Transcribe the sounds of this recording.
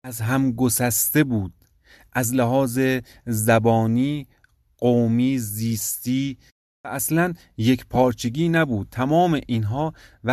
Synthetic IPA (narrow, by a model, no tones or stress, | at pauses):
æzɦæmɡosæst̪e̞buːd̪̥̚ | ʔæzlæɦɒːze | zæbɒːniː | ɢ̥omiːziːst̪iː | æʔæslæn | je̞kʰpʰɒːɾt͡ʃʰeɡiːnæbuːd̪̥̚t̪ʰæmɒːme̞ʔinɦɒːvæ